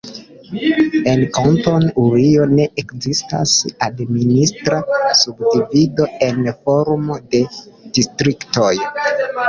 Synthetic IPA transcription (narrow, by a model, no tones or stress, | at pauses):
e̞nkonto̞nuɾio̞ne̞ʔekzista̰sadministɾasubdivido̞e̞nfo̞ɾmode̞d̥istɾikto̞j